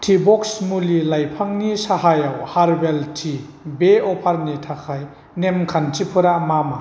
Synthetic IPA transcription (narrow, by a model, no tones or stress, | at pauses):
tʰibɔksmulilajpʰaŋnisaɦajawhaɾbeltʰi | beɔpʰaɾnitʰakʰaj | nemkʰantipʰɯɾamama